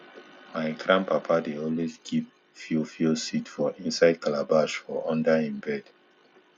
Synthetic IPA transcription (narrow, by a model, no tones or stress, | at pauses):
maɪɡɹãmpapʰadeɔlwezɡʰip | filfilsitfɔĩnsaɪd̚kʰalabaʃfɔɔ̃ndaĩmbɛd̥